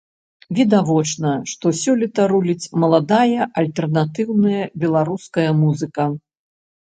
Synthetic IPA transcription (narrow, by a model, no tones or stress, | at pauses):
vʲid̪avɔt͡ʂnɐʂt̪ɔsʲɔlʲit̪ɐɾulʲit͡sʲmɐlˠad̪ajɐʔɐlʲt̪ɛrnat̪ɨwnɨjɐbʲɛlˠaɾuskɐjɐmuzɨkɐ